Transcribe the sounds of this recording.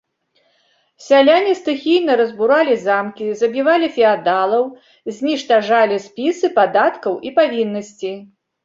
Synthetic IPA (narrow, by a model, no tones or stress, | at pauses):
sʲalʲanʲist̪ɨxʲijnɐɾɐzbuɾalʲizamkʲizɐbʲivalʲifʲɛad̪alˠɐw | zʲnʲiʂt̪aʐalʲisʲpʲisɨpad̪at̪kɐwʔipavʲinːɐsʲt͡sʲi